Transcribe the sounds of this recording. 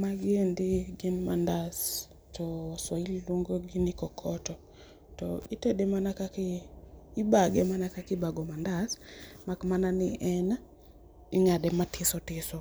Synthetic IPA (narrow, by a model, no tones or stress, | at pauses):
maɡendiɡenmandas | tʰɔswaillwoŋɡoɡinikɔkʰɔtɔ | tɔitedemanakakiː | baɡɛmanakakibaɡɔmandasmakmananɪʔɛna | iŋadɛmatʰɪsɔtɪsɔ